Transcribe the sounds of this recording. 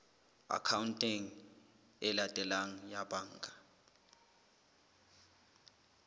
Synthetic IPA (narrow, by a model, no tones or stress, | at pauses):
a̰kʰawuntʼiŋ | ɛlatʼɛlaŋ̩jabaŋɡʱa